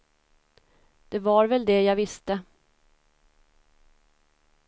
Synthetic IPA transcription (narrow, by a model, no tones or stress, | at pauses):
d̪̥ɛvaɾvɛld̪ɛjɑːɡvɪst̪ə